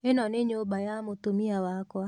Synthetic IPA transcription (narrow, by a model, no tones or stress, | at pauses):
enɔneɲobajamot̪omiawakwa